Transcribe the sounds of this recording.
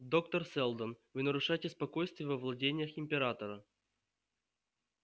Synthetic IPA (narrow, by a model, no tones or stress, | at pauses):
d̪o̞kt̪ərsʲɛlˠd̪ənvɨnəɾʊʂajɪtʲɪspɐko̞jst̪vʲɪjəvɐvlˠɐdʲenʲɪjəxɪmʲpʲɪɾat̪əɾə